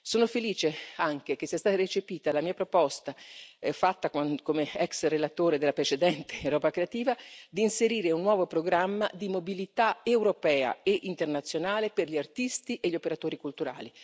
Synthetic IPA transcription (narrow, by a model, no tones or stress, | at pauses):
soːnofeliːt͡ʃeaŋk̟ek̟esːiast̪aːt̪aɾet͡ʃepiːt̪alamiːapɾopɔst̪afat̪ːakakomeɛksrelat̪oːɾed̪elːapɾet͡ʃed̪ɛnt̪e̥ɾɔːbakɾeat̪iːvad̪iːnseɾiːɾeunːwɔːvopɾoɡɾamːa̰d̪imobilit̪aewɾopɛːa̰eʔint̪ernat̪sːjonaːleperʎiart̪ist̪iʔeʎiopeɾat̪oːɾikult̪uɾa̰ːli